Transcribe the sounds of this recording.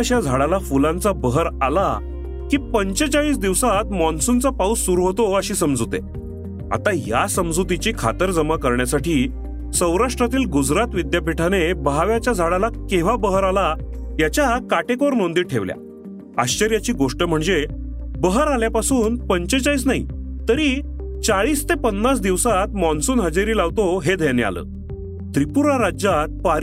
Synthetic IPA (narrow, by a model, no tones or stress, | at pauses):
ɕad͡zʱaɽalafulãnt͡sabəɦəɾala | kiːpəɲt͡ɕət͡saʋiːs̬d̪iʋsat̪mɔnsunt͡sapausːuɾuɦot̪oəɕiːsəmd͡zut̪ḛ | a̰t̪aja̰səmd͡zut̪̬it͡ɕiːkʰa̰t̪əɾd͡zəmakəɾɳjasaʈiː | sə̃wɾaʂʈɾat̪iːlɡud͡zɾat̪ʋid̪japiʈʰanebaɦaʋjat͡ɕjad͡zʱaɽalakeʋ̤abəɦəɾalajat͡ɕjakaʈekoɾnond̪iːʈʰeʋlja̰ | aɕt͡ɕəɾjat͡ɕiːɡoʂʈəm̤əɳd͡zebəɦəɾaljapasuːnpəɲt͡ɕət͡ɕajt͡snaɦḭt̪əɾit͡saɭiːst̪epənːas̬d̪iʋsat̪̚mɔnsuːnɦəd͡ʑeɾiːlaʋt̪oɦed̪ʱenea̰lə̰ː | t̪ɾipuɾaɾad͡ʑat̪̚paɾ